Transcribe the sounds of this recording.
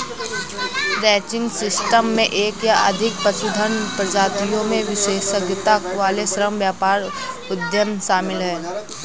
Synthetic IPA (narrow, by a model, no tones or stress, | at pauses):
ɾɛːt͡ʃɪ̃ŋɡsɪsʈəmːẽʔeːkjaʔɐd̪ʱɪk̚pəsud̪ʱənpɾəd͡ʒaːt̪ijõmẽʋɪʃeːʃəɡt̪akʋaːlesɾəmʋjaːpaːɾ | ʊd̪jəmʃaːmɪlɦɛː